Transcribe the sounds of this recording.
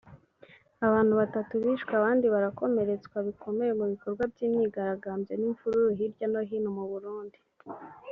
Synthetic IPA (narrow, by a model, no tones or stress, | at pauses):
aβaːn̥huβatatuβiːʃkwaβaːndiβaɾako̞me̞ɾe̞t͡skwaβikʰo̞me̞jemuβiko̞ɾɡwabjiːmɲiːɡaɾaɡaːmbjeniɱfuɾuɾuɦiɾɟano̞ɦinomuβuɾuːndi